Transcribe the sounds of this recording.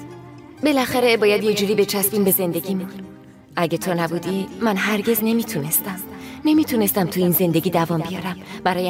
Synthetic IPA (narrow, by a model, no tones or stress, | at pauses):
be̞læxæɾebɒːjæd̪jed͡ʒuːɾiːbe̞t͡ʃʰæsbiːmbe̞ze̞nd̪e̞ɟʲiːmun | ʔæɟet̪ʰonæbuːd̪imːænɦæɾɟe̞zne̞miːt̪ʰune̞st̪æmne̞mit̪ʰune̞st̪æmt̪ʰuiːnze̞nd̪e̞ɟʲiːd̪ævɒːmbijɒːɾæmb̥æɾɒːje